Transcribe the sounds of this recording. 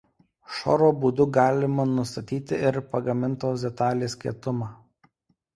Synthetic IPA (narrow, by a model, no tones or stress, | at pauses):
ʃɔ̰ɾoːbuːd̪ʊɡɑːlʲɪmɐnʊst̪ɐt̪ʲiːt̪ʲɪɪɾpɐɡɐmʲɪnt̪oːsʲd̪ʲɛt̪ɑːlʲeːsʲkʲiɛt̪ʊmɑː